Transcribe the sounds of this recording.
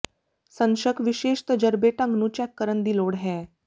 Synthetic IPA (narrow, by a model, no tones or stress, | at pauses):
sənɕəkʋiɕeʂt̪əd͡ʑəɾbeʈə̃ŋɡnuːt͡ɕakːəɾənd̪iːloɽɦɛ̃